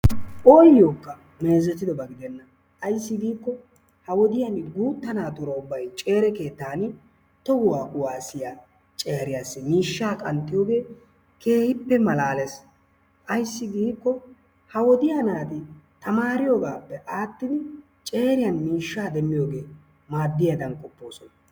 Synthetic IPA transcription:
ʔoːjoːkːɐ | me̞ːzɛt̪ːɪd̪ɔbɐɡɪd̪ɛnːɐ | ʔːjsːɪɡiːkːɔ | hɐwɔd̪ɪjɐnɡuːt̪ːɐnaːt̪ʊɾɐʊbːɐjt͡ʃʼe̞ːɾɛke̞ːt̪ːaːn | t̪ɔɡʊwaːkʼʊwaːsɪja | t͡ʃʼeːɾɪjasːɛmiːʃːaːkʼɐnt̪ʼːɪjoːɡe̞ː | kʰe̞ːhɪpːɛmɐlaːles | ʔɐjsːɪɡiːkːɔ | hɐwɔd̪ɪjanaːd̪ɪ | t̪ɐmaːɾɪjoɡaːpːɛʔaːt̪ːɪd̪ɪ | t͡ʃʼe̞ːɾɪjɐnmiːʃːaːd̪ɛmːɪjo̞ːɡe̞ː | maːd̪ːɪjad̪ɐnkʼɔpːo̞ːsɔnɐ

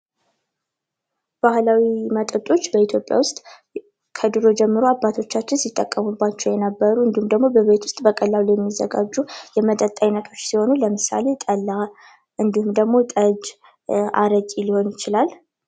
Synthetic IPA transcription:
b̥ahlawimət̪ʼət̪ʼo̞t͡ʃːbəit̪ʰjo̞pʼːja̰wʊst̪ʼ | kʰəd̪ɨɾo̞d͡ʒɛmːɨɾuabːat̪ʰo̞t͡ʃːat͡ʃːɪnsit̪ʼːəkʼːəmubːat͡ʃːɛwjɛnəbːəɾuɨnd̪ihumd̪əɡmo̞bəβe̞t̪ʰwʊst̪ʼbəkʼəlːalujɛmːizəɡa̰d͡ʒːujɛmət̪ʼət̪ʼaɲnːət̪ʰo̞t͡ʃːsiho̞nuləmɨsa̰le̞t̪ʼəlːa | ʔɨnd̪ihumd̪əɡmo̞t̪ʼəd͡ʒ | ʔa̰ɾət͡ʃʼiliho̞njɪt͡ʃɪlal

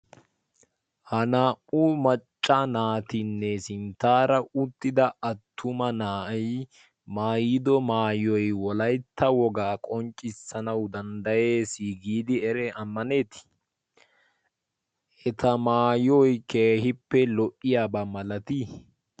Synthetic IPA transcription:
hɐnaːʔumɐt͡ʃʼːanaːt̪ɪnːɛsɪnt̪aːɾɐʊt̪ːɪd̪ɐʔɐt̪ʰːʊmɐnaːʔɐj | maːjd̪ɔmaːjɔjwɔlɐjt̪ːɐwɔɡaːkʼɔnt͡ʃʼɪsɐnɐwd̪ɐnd̪ɐjeːsiɡiːd̪ɪɛɾɛɐmːɐne̞ːt̪ɪ̥ | ʔɛt̪ʰɐmaːjɔjkeːhɪpːɛlɔʔɪjaːbɐmɐlɐt̪i

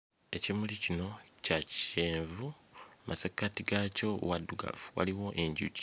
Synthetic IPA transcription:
e̞cimulicino̞caci̥ʃeːɱvu | mʔasekatiɡaco̞̰waduɡa̰vuwa̰liwo̞ʔe̞ɲɟṵc

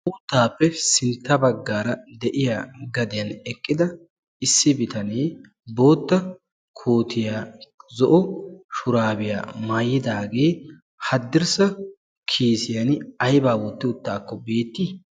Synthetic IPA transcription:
ʔʊt̪ːaːpːɛsɪnt̪ːɐbɐɡːaːɾɐd̪ɛʔɪjaːɡɐd̪ɪjɐnɛkʼːɪd̪ɐ | ɪsːɪbɪt̪ɐneː | bo̞ːt̪ːɐ | kʰoːt̪ʰɪjaːzɔʔɔʃʊɾaːbɪja̰ːmaːjːɪd̪aːɡe̞ː | hɐd̪ːɪɾsɐ | kʰiːsɪjɐnɐjbaːwɔt̪ːɪʊt̪ːaːkːɔbe̞ːt̪ːi

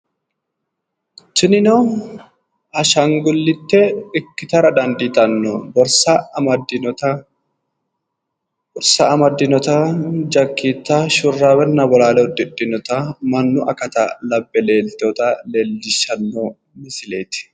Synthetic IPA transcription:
t͡ʃɪnɪnɔ | hɐʃɐŋɡʊlːɪt̪ːɛɪkːɪt̪ɐɾɐd̪ɐnd̪it̪ɐnːɔ̰bɔɾsɐmɐd̪ɪɔtɐ | bɔɾsɐɐmɐd̪ːɪnɔt̪ɐd͡ʒɐkːiːt̪ːaʃʊrːaːwɛnːɐbɔlaːlɛɔd̪ɪᶑːɪnɔt̪ɐmɐnːʊʔɐkɐt̪ɐ̰lɐbːɛle̞ːlt̪oːt̪ɐleːlːɪʃɐnːoː | mɪsɪleːt̪ɪ̥

